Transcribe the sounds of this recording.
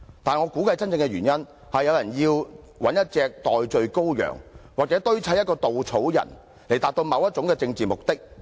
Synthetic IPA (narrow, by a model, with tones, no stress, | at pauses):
t̪aː˨n˨ŋɔː˨˧kuː˨˥kɐ˧jt͡sɐ˥nt͡sɪ˧ŋkɛ˧ɥyː˨˩njɐ˥n | hɐ˨jːɐ˨˧wjɐ˨˩njiː˧w | wɐ˨˥njɐ˥t̚t͡sɛː˧k̚t̪ɔː˨jt͡ʃɵ˧ɥko˥wjœ̰ː˨˩ŋwaː˨k̚t͡sɛː˨˥t̪ɵ˥ɥt͡sʰɐ˨˥jɐ˥t̚kɔː˧t̪o˨wt͡sʰo˨˥wjɐ̰˨˩n | le˨˩jt̪aː˨k̚t̪o˧wmɐ˨˧wjɐ˥t̚t͡ʃʊ˨˥ŋkɛː˧t͡sɪ˧ŋt͡siː˨mʊ˨k̚t̪ɪ˥k̚